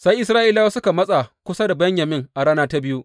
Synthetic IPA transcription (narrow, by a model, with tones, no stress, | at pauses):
sa˦jʔɪ˦sɾaː˦ʔi˦la˦wa˦sʊ˦ka˨mɐ˦sʼa˨kʷʊ˦sa˦da˨bɐ˦ɲjɐ˨mɪ˦ŋʔa˨ɽaː˦naː˦ta˦bɪ˦ju˦ʔ